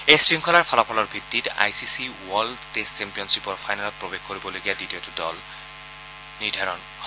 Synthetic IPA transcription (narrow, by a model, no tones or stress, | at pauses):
esɹiŋkʰɔlaɹpʰɔlɔpʰɔlɔɹbʱitːita̰jsisiwɔldtestt͡ʃɛmpijɔnsipɔɹpʰajnalɔt̚pɹobeɡkoɹibɔlojɡiaditiɔtʊdɔ̰l | niɹdʱaɹɔn | h